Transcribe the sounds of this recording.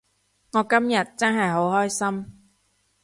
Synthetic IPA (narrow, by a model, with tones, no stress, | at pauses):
ŋɔː˨˧kɐ˥mjɐ˨t̚t͡sɐ˥nɦɐ˨jɦo˨˥whɔː˥jsɐ˥m